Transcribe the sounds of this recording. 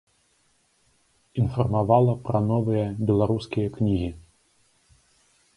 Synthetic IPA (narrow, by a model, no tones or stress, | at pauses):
infɐrmavalˠɐpɾɐnɔvɨjɐbʲɛlˠaɾuskʲijɐknʲiɣʲi